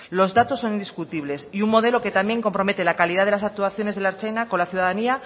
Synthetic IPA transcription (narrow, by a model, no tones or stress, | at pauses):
lo̞zðat̪o̞sːo̞nĩnd̪iskut̪iβle̞siuŋmo̞ð̞e̞lo̞ke̞t̪amje̞ŋko̞mpɾo̞me̞t̪e̞lakaliðaðelasak̚t̪uaθjo̞ne̞zðelaɾt͡ʃejnako̞nlaθjuðaðania